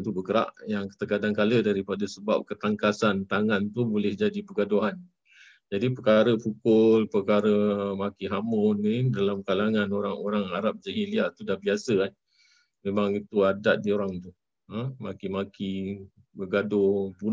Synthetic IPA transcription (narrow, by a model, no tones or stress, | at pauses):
t̪ubəɡəɾa̰ʔjaŋkt̪əkadaŋkalədaɾipadasəba̰p̚kət̪aŋkasant̪aŋant̪ubolɪhd͡ʒadipəɡadoɦan | d͡ʒadipəkaɾəpukʊlpəkaɾəmakiɦamʊnidalamkalaŋanoɾaŋoɾaŋaɾap̚d͡ʒaɦiliat̪udahbiasəan | memaŋit̪uadaʔ̪̚dioɾaŋt̪u | əmakimaki | bəɡadobun